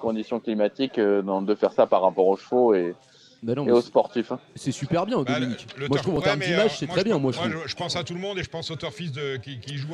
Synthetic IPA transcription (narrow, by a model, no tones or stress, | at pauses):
kɔ̃d̪isjɔ̃klimat̪ikød̪ɑ̃d̪əfɛʁsapaʁːapɔʁoʃfoe | banɔ̃eospɔʁt̪ifsɛsypɛʁbjɛ̃d̪ɔmiinikmwaʒt̪χuvɑ̃t̪ɛʁmd̪imaʒsɛt̪χɛbjɛ̃mwaʒuʒʒəpɑ̃sat̪ulmɔ̃d̪eʒəpɑ̃sot̪œʁfis̬d̪əkʲikʲiʒu